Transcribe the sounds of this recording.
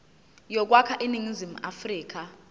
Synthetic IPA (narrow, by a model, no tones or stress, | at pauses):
jɔk̬wakʰaʔiniŋizim̩afriːk̬ʼa